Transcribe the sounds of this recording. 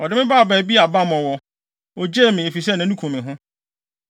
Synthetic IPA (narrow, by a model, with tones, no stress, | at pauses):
ɔ˨dɪ˦mɪ̃˦baː˦˨bæː˨bi˦a˨ba˦mɔ̃˨wɔ˨ | ɔ˨d͡ʑeː˦˨mɪ̃˨e˨fi˨s̬ɛ˦nã˨˦nũ˦kʰũ˨mɪ̃˨ɦʊ̃˦